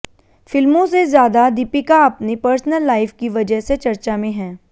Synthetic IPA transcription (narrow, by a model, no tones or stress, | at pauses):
fɪlmõsezjaːd̪ad̪ɪpikaɐpnipəɾsnəlːaːɪfkiʋɐd͡ʒəɦset͡ʃɐɾt͡ʃamẽɦɛ̃ː